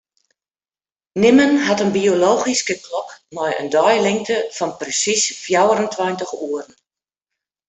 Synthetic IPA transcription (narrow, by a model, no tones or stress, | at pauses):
nɪmənɦatənbioloːxiskəklɔkmɔjə̰ndɔjlɪŋtʰəfɔnprəsisfjawəɾəntʰwɔjntəxuərn̩